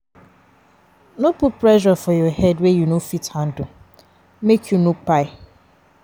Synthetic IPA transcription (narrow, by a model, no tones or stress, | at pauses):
nʊ̃pʊpʰɾɛʃafɔjɔhɛdwɛjunõfithãndʊ | mekʰjunʊ̃k͡pʰaɪ